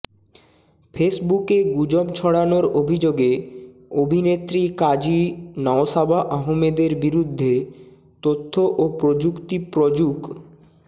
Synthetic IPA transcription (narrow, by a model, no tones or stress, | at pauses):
fesbukeɡud͡ʑobt͡ɕʰɔɽanoɾobʱid͡ʑoɡe | obʱinet̪ɾikad͡ʑinɔosabʱaʔaɦomed̪eɾbiɾud̪ʱːe | t̪ot̪ʰːoʔopɾod͡ʑukt̪ipɾod͡ʑuk